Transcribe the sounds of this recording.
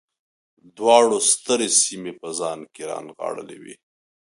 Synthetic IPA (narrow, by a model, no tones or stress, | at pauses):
d̪wɑɽost̪əɾesimepəzɑnkeɾɑ̰nɣɑ̰ɽəlewḭ